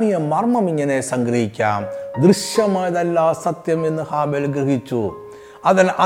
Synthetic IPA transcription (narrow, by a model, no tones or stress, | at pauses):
nijɐmɐrmɐmiŋːɐnesɐŋɡɾɐhikʲːaːmd̪ɾɨʂjɐmaːjɐðɐlːaːsɐt̪jɐme̞nːɨhaːbeːlɡɾiɦit͡ɕːu | ɐðɐnɐ